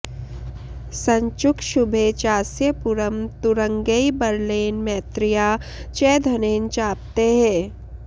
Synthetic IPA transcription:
sɐ̃ɲt͡ʃʊkʃʊbʱet͡ʃaːsjəpʊɾəmt̪ʊɾə̃ŋɡeibɐɾleːnmɛːt̪ɾɪjaːt͡ʃɛːd̪ʱɐneːnt͡ʃaːp̚t̪eɦɛ̃ː

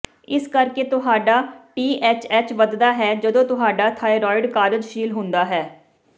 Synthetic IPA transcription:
ɪskəɾkeːt̪ʊɦaːɖaːʈiːʔɛːt͡ʃɛːt͡ʃʋəd̪d̪aːɦɛːd͡ʒəd̪õːt̪ʊɦaːɖaːt̪ʰaːiɾɔːɪɖkaːɾəd͡ʒʃiːlɦʊ̃nd̪aːɦɛː

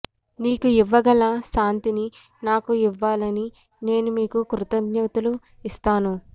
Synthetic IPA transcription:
niːkuiʋːɐɡɐlaːʃaːnt̪ini | naːkuiʋːaːlɐni | ne̞ːnumiːkukɾut̪ɐd̪jɐt̪ulu | ist̪aːnu

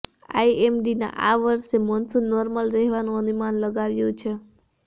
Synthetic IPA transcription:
a̰iemɖina̰ʔa̰ʋəɾʃemɔnsunɔɾməlɾɛɦʋanũənumanləɡaʋjũt͡ʃʰe

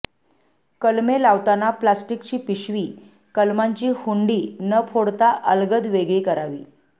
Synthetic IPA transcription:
kəlmelaʋt̪anaplasʈikt͡ɕiːpiɕʋiː | kəlmaɲt͡ɕiːhuɳɖiːnəpʰoɽt̪aʔəlɡəd̪ʋeɡɭiːkəɾaʋḭː

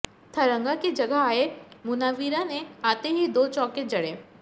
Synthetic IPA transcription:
t̪ʰɐɾə̃ŋɡaked͡ʒɐɡəɦaːemʊnaːʋiːɾanẽaːt̪eɦid̪oːt͡ʃɔːked͡ʒɐɽeː

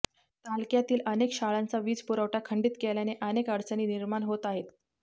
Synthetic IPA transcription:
t̪alkjat̪iːlənekɕaɭant͡saʋiːd͡zpuɾəʋʈakʰəɳɖiːt̪keljaneʔənekəɽt͡səniːniɾmanɦot̪aɦet̪

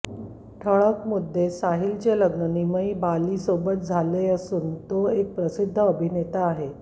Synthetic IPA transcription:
ʈʰəɭəkmud̪ʱːesaɦilt͡ɕeləɡnəniməibaliːsobət̪̚d͡zʱaleəsuːnt̪oek̚pɾəsid̪ʱːəːbʱinet̪aːɦe

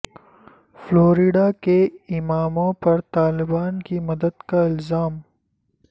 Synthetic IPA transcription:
floːɾiɖakeɪmaːmõpɐɾt̪aːlɪbaːnkimɐd̪əd̪kaɪlzaːm

